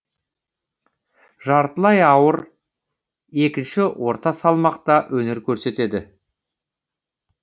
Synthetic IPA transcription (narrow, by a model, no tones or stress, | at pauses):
ʒɑɾt̪əlˠɑjɑwəɾ | e̞kʲɪnʃɪwʔo̞ɾt̪ɑsɑlˠmɑqt̪ɑwʔɵne̞ɾkʲʰɵɾse̞t̪e̞d̪ɪ